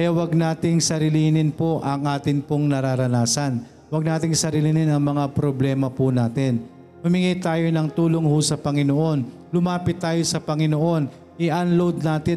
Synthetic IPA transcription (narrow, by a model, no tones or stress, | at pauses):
kɐjawɐɡ̚naːt̪ɪŋsɐɾɪliːnɪnpo̞ʔɐŋʔaːt̪ɪnpoŋnɐɾaːɾɐnaːsɐn | wɐɡ̚naːt̪ɪŋsɐɾilinɪnɐŋmɐŋapɾoblɛːmɐpʊnaːt̪ɪn | hʊmɪŋit̪aːjo̞nɐŋt̪uːlo̞ŋhusɐpɐŋɪnoʔo̞n | lʊmaːpɪt̪ːaːjo̞sɐpɐŋɪno̞ʔo̞n | ʔɪʔɐnlowd̪̚naːt̪ɪ